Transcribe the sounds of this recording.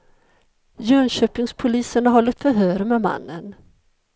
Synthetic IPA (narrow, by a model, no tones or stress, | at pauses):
jœːɳɕøːpɪŋspʰʊliːsənaɾɦɔlːət̪fœɾɦœːɾəmɛma̰nːən